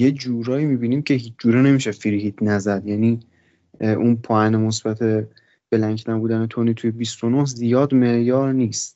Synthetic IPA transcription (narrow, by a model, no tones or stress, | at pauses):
je̞d͡ʒuːɾɒːiːmiːbiːniːmcʰe̞hiːt͡ʃʰd͡ʒuːɾene̞miːʃefiɾɦiːd̪̥næzæd̪jæni | ʔunpʰɒːænemosb̥æt̪ʰe̞ | b̥elæŋkʰnæbuːd̪ænet̪ʰonit̪ʰujebist̪onohzijɒːd̪me̞ʔjɒːɾniːst̪